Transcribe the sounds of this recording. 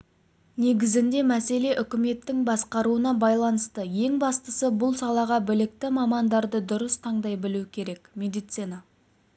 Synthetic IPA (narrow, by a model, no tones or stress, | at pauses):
ne̞ɡʲɪzɪnd̪e̞mæse̞le̞ʔʏkʲɪme̞t̪ːɪŋbɑsqɑɾuənɑbɑjlˠɑnəst̪əje̞ŋbɑst̪əsəbʊlˠsɑlˠɑʁɑbɪlɪk̚t̪ɪmɑmɑnd̪ɑɾd̪əd̪ʊɾəst̪ʰɑɴd̪ɑjbɪluɪkʲʰe̞ɾe̞kmʲe̞d̪ijt̪sinɑ